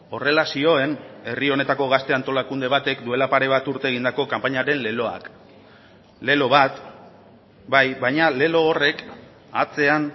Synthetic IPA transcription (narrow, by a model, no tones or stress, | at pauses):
o̞re̞lasio̞e̞ne̞rio̞ne̞t̪ako̞ɣ̞ast̪e̞ant̪olakund̪e̞β̞at̪e̞kd̪ue̞lapaɾe̞β̞at̪uɾt̪e̞ːɣ̞ind̪ako̞kampaɲaɾe̞nle̞lo̞a̰k | le̞lo̞βat̪ | bajβajɲale̞lo̞ːre̞k | at͡se̞an